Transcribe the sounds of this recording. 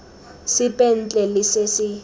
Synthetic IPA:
sɪpʼɛn̩t͡ɬʼɛlɪsesɪ

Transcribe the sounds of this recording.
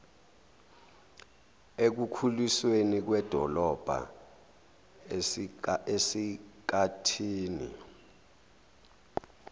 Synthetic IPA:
ek̬ukʰuliswenik̬wɛd̥ʱɔlɔb̥ʱa̰ | esik̬atʰiːnḭ

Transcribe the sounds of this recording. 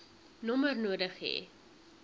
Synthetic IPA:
nɔmərnuədəχɦḛ

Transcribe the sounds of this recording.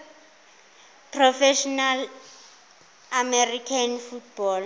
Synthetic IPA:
pʰrɔfɛʃɔnal | amɛrikʰanfut̚bɔl

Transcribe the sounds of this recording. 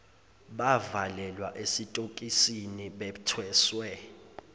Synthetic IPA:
ɓavalɛlwaʔesitʼokʼisiniɓɛtʰwɛːswɛ

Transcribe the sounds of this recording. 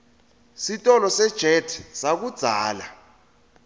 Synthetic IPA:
sitʼɔlɔsɛd̥ʒ̥ʱɛtʰsak̬ud̥z̥ʱaːla̰

